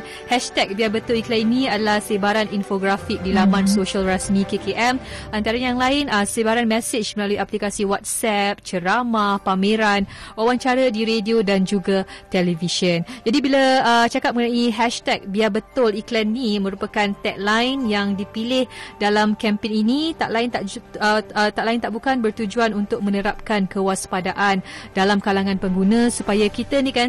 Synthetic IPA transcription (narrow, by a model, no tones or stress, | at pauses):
hɛʃt̪ɛk̚biabət̪ʊliklɛniniadalahsebaɾaninfoɡɾafik̚dilamãnsoʃalrasmĩkekeʔɛmʔant̪aɾaɲjaŋlaɪnəsebaɾanmɛsɪd͡ʒməlaluiaplikasiwat̪̚sɛp̚t͡ʃəɾamahpamẽɾanawant͡ʃaɾadiɾediodand͡ʒuɡat̪ɛliviʃənd͡ʒadibilaət͡ʃakap̚məŋənaiɦɛʃt̪ɛk̚biabət̪ʊliklɛnːimə̃ɾupakant̪ɛʔ̚lajnjaŋdipilɪhdalamkɛmpɪninit̪aʔlaɪnt̪aʔ | t̪aʔlaint̪aʔbukanbərt̪ud͡ʒuanunt̪ʊk̚mə̃nəɾap̚kankəwaspadaʔandalamkalaŋãnpəŋɡunãsupajakit̪ənikan